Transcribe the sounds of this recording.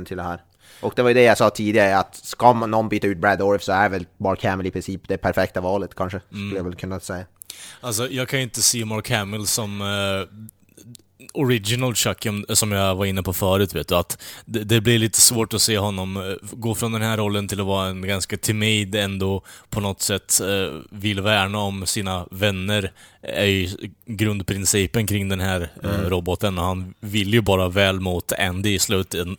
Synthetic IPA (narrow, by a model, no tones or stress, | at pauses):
nt̪ʰɪld̪ɛhæːɾ | ʔɔk̚d̪ɛvajɵd̪ɛjasɑːt̪ʰiːd̪ɪɡaɾəat̪skɑmanːɔnbyːt̪aʉːt̪̚bɾæd̪ɔɾfsɔæɾvɛlmɑːɾkʰːæməlɪpʰɾɪnsiːpd̪ɛpʰæɾfɛk̚t̪avɑːlət̪kʰanʂəskɵləjavɛlkʰɵnːasɛjːa | als̬ɔjɑːɡkʰanjɵɪnt̪əsiːmɑːɾkʰæmɪlsɔm | ɔɾɪd͡ʒɪnalʂakːɔmsɔmjɑvaɾɪnːəpʰɔfœːɾʉ̟t̪veːt̪̚d̪ɵat̪d̪ɛd̪ɛblɪɾɭiːt̪ə̥svoːʈɔseːɦɔnːɔmɡoːfɾɔnd̪ɛnhæɾːɔlːənt̪ʰɪlɔvɑːɾaɛnɡanskat̪ʰɪmɛɪd̪ɛnd̪oːpʰɔnɔt̪ːsɛt̪ːvɪlvæːɳaɔmsiːnavɛnːəɾæ̰ɾjɡɾɵnd̪pʰɾɪnsiːpənkʰɾɪŋd̪ɛnɦæːɾɾɔbɔt̪ənɔhanvɪljɵbɑːɾavɛːlmut̪æ̰nd̪ɪslʉ̟ːt̪ɛn